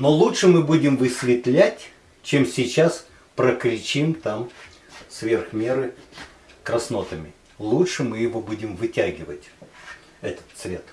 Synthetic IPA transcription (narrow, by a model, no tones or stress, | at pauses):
nolˠutʂɨmɨbudʲɪmvɨsʲvʲɪt̪lʲætʲ | t͡ɕemsʲɪt͡ɕas | pɾəkɾʲɪt͡ɕimt̪am | svʲerxmʲe̞ɾɨ | kɾɐsno̞t̪əmʲɪ | lˠutʂɨmɨjɪvobudʲɪmvɨtʲæɡʲɪvətʲ | ɛt̪ə̥t̪svʲe̞t̪